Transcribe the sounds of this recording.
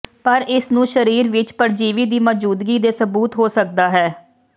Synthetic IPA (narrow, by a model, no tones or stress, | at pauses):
pəɾɪsnũːʃəɾiːɾʋɪt͡ʃpəɾd͡ʒiːʋiːd̪iːmɔd͡ʒuːd̪ɡiːd̪eːsəbuːt̪ɦoːsək̚d̪aːɦɛː